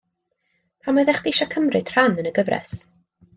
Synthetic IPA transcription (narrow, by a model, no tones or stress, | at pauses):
pʰamaðɛχd̥iɪʃɔkʰəmrɨd̥r̥anənəɡəvrɛ̰s